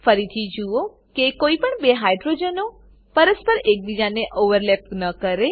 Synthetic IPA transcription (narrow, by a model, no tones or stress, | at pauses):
fəɾit̪ʰid͡ʒuo | kekoipəɳbeɦajɖɾod͡ʒəno | pəɾəspəɾek̚bid͡ʒaneʔoʋəɾlep̚nəkəɾe